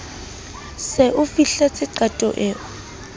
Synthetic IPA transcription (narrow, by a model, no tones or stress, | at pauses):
sɛʔʊfiɬat͡sʰʼɪǃatʼɔ̰ʔɛːʊ